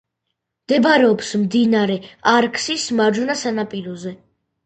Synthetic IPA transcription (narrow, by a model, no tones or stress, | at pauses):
d̪̥ɛbɾɛɔpsmd̪inaɾɛaɾkʰsismaɾd͡ʒunasanapʼiɾɔzɛ